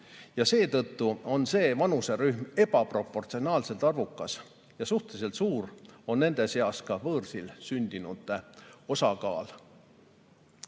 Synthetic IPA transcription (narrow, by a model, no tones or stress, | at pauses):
jɑse̞ːt̪ɤt̪ːuo̞nse̞ːvɑnuse̞ɾyhme̞b̥ɑpro̞pːˑo̞rt̪sio̞nɑːlse̞lt̪ɑrvukːˑɑs | jɑsuht̪elis̬e̞lt̪suːro̞nːe̞nd̪̥e̞seɑskɑvɤːrsilsynʲd̪inut̪ːˑeo̞sɑkɑːl